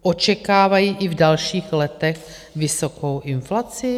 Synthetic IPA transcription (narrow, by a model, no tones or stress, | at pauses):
ʔo̞t͡ʃɛkaːvajiːʔɪvdalʃiːxlɛt̪ɛx | vɪso̞kowʔɪnflat͡sɪ